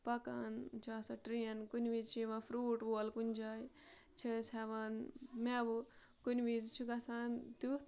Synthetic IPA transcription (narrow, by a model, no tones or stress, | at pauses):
pɐka̰nt͡ʃʰuasaʈɾiɐnkunʲʋizt͡ʃʰuʋãfʰɾuːʈʋolkunʲd͡ʒaːj | t͡ʃʰisɛʋanmɛʋu | kunʲʋizt͡ʃʰuɡɐsaːnt̪ut̪